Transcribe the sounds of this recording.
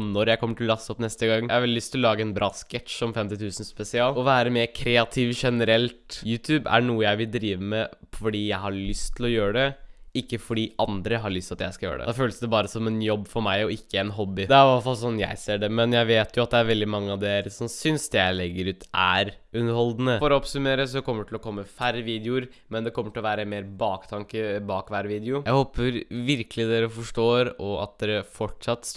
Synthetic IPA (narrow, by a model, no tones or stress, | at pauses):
nɔɾjæɪkʰɔmːəʈʰɪlɔlɑsːəɔpnɛst̪əɡɑŋːæhɑɾʋɛlɪlʏst̪ʰɪlɔlɑːɡəɛnbɾʔɑːskɛt̪ʃɔmfɛmt̪ɪt̪ʰʉːsn̩spɛsɪɑːlɔʋæːɾəmeːɾkʰɾɛːɑt̪ʰɪʋʂɛnəɾɛlt̪jʉːt̪ʰʉːbæ̰ɳuːəjæɪʋɪld̪ɾiːʋəmɛ | fɔɖiːjæɪɦɑɭʏst̪ʰɪlɔjøːɾəɖɛɪkːəfɔɖiːʔɑnd̪ɾəɦɑɾɭʏst̪ɑt̪jæɪskɑljø̰ːɾəɖ̪ɛ̰d̪ɑføːləsd̪ɛbɑːɾəsɔmɛnjɔbːfɔɾmæɪɔɪkʰːəɛnɦɔbːɪd̪ɛæɾʋæfɑlsɔnːjæ̰ɪseːɖɛmɛnjæɪʋeːt̪jʊɑt̪̚d̪ɛæɾʋɛld̪ɪmɑŋːəɑʋd̪eːɾsɔmsʏnsd̪ɛjæɪlɛɡːəɾʉːt̪ʰæɾʉnəɾhɔld̪n̩əfɔɾɔɔpsʉmeːɾəs̬ɔdɛkʰɔmːəɖɛʈ̪ʰɪlɔkʰɔmːəfæɾʋiːd̪ɪʊɾ | mɛnd̪ɛkʰɔmːəʈʰɪlɔʋæːɾəmeːɾbɑːkt̪ʰɑŋkəbɑːkʋæɾʋiːd̪ɪʊjæɪhoːpəɾʋɪɾkəlɪd̪eːɾəfɔʂʈoːɾɔɑ̰t̪̚d̪eːɾəfɔʈʂɑt̪ːs